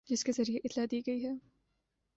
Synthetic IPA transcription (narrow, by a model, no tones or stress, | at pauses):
d͡ʒɪskezɐɾieʔɪt̪lad̪iːɡɐiɦɛː